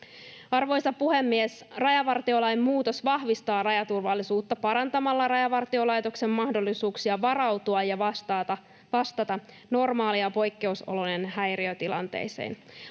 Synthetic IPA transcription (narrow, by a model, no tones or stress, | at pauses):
ɑrʋo̞jsɑpuhemːies | rɑjɑʋɑrt̪io̞lɑjmmuːt̪o̞sʋɑhʋist̪ɑːrɑjɑt̪urʋɑlːisuːt̪ːɑpɑɾɑnt̪ɑmɑlːɑrɑjɑʋɑrt̪io̞lɑjt̪o̞kse̞mːɑhdo̞lːisuːksiɑʋɑrɑwt̪uɑjjɑɑ | ʋɑst̪ɑt̪ɑ | no̞rmɑːliɑpo̞jkːe̞uso̰lonenhæjriøt̪ilɑ̰nt̪ḛjsḛːn